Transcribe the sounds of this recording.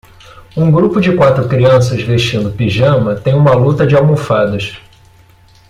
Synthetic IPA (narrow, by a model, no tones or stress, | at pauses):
ũɡɾupʊd͡ʒɪkwat̪ɾʊkɾiɐ̃sɐzveʃt͡ʃĩnd̪ʊpiʒɐ̃mɐt̪ẽj̃ũmɐlut̪ɐd͡ʒɪawmofad̪ɐʃ